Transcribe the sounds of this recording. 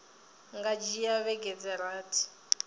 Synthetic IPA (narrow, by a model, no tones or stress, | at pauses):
ŋɡad͡ʒijaβɛɡɛd͡zɛɾaːtʰi̥